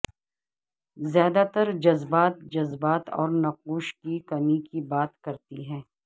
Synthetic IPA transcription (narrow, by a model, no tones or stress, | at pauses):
zjaːd̪at̪ɐɾd͡ʒɐzbaːt̪̚d͡ʒɐzbaːt̪ɔ̰ːɾnɐquːʃkikɐmikibaːt̪kɐɾt̪iɦɛ̃ː